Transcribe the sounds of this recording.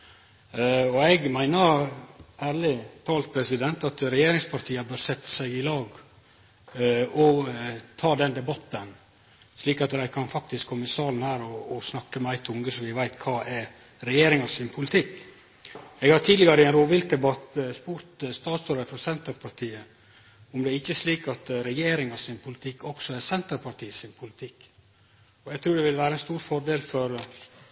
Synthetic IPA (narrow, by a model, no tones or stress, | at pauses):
ɔɛɡmæɪnəɾʔæːɾlɪt̪ʰɑːlt̪̚pʰɾɛsɪd̪ɛnt̪ɑt̪ɾɛjeːɾɪŋspʰɑɾt̪ʰiːəbøːɾsɛt̪ːə̥sæɪɡɪlɑːɡ | ɔt̪ʰɑːd̪ɛnd̪ɛbɑt̪ːən | sliːkɑt̪d̪æɪkʰɑnfɑk̚t̪ɪskʰɔmːəɪsɑːln̩hæːɾɔːsnɑkːəmɛæɪt̪ʰʊŋɡəsɔʋɪʋæɪt̪kʰɑːʔɛɾ | ɾɛjeːɾɪŋɑsɪnpʰʊlɪt̪ʰɪk | ɛːɡhɑɾt̪ʰiːd̪lɪɡɑɾəɪɛɪnɾoːʋɪlk̚d̪ɛbɑt̪spuːɾt̪st̪ɑːt̪sɔɾəfɔɾsɛnt̪əɾpʰɑɾʈʰiːə | ʊmd̪ɛːɾɪçːəsliːkɑt̪ɾɛjeːɾɪŋɑsɪnpʰʊlɪt̪ʰɪkːɔksɔɛsɛnt̪əɾpʰɑɾʈʰiːəsɪnpʰʊlɪt̪ʰɪkː | ɔɛɡt̪ʰɾʉːɖɛʋɪlʋæːɾəɛnst̪uːɾfɔɾɖeːlfɔɾ